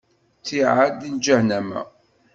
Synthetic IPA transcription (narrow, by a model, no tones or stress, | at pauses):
θiʕad̪ind͡ʒæhnæmæ̰